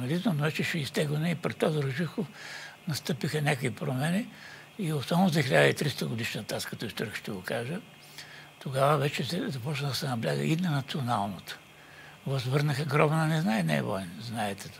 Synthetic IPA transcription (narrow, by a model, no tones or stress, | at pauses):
nɐd̪it̪nonovɛt͡ʃɛʃɛist̪ɛɡlənɛipɾɛt̪ːɔziɾoʒixofnɐst̪ɤpixɐnʲakvipɾomɛnʲi | iosavnozɛxilʲad̪əit̪ɾist̪əɡod̪iʃnɐt̪askɐt̪ɔist̪ɔɾikə̥ʃt̪ɛɡokaʒə | t̪oɡavəvɛt͡ʃɛsɛzɐpɔt͡ʃnəd̪ɐsɛnɐblʲaɡə̰ʔinɐnɐt̪sionalˠnot̪o̥ | vɐzvəɾnəxəɡɾɔbnːnɛznaɛnɛ̰ɛ̰vɔ̰inznaɛt̪ɛt̪